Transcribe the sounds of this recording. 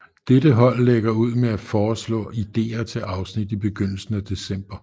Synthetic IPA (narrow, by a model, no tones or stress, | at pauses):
d̥edəɦɒ̽l̰ːeɡ̥ɐuð̞̰ˠmeæfɒːslɔ̰̽ːid̥e̝̰ːɐt͡sʰe̝ʔɑ̈ʊsnid̥ib̥e̝ɡ̥øn̰l̩sn̩æd̥e̝sem̰b̥ɐ